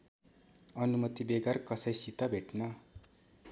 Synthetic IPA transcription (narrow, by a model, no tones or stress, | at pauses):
ʌnumʌt̪ibeɡarkʌsʌjsit̪ʌbʱeʈnʌ